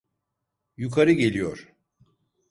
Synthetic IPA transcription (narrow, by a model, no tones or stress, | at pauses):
jukʰaɾɯɟe̞lʲijoɾ̥